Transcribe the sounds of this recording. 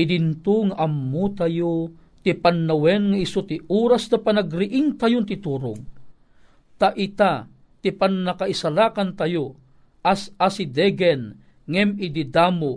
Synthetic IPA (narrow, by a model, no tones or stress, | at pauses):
ɪd̪int̪uŋaʔamːut̪ajo | t̪ipanːawɛnŋɐɪsot̪iʔuːɾasd̪ɐpanaɡɾɪʔɪŋt̪ajʊnt̪ɪt̪uːɾʊ̰ɡ̚ | t̪aʔɪt̪a | t̪ipanːɐkaisalaːkant̪ajo | ʔasasid̪ɛɡɛn | ŋɛmɪd̪id̪aːmo